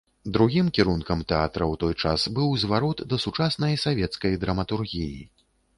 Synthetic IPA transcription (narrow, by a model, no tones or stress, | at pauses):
d̪ɾuɣʲimkʲiɾunkɐmt̪ɛa̰t̪ɾɐwt̪ɔjt͡ʂasbɨwzvaɾɔt̪d̪ɐsut͡ʂasnɐjsavʲɛt̪skɐjd̪ɾɐmɐt̪urɣʲijḭ